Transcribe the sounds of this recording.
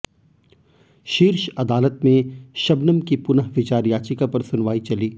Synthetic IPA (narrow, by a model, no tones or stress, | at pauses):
ʃiːɾʃɐd̪aːlət̪mẽʃɐbnəmkipʊnəɦʋɪt͡ʃaːɾjaːt͡ʃɪkapɐɾsʊnʋaːit͡ʃɐliː